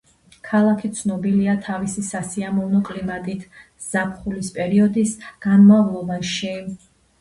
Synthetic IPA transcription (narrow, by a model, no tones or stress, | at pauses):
kʰalˠakʰit̪sʰnɔbiliat̪ʰavisisasiamɔvnɔkʼlimat̪ʼit̪ʰ | z̥apʰχulispʼɛɾiɔd̪isɡ̥anmavlˠɔbaʃi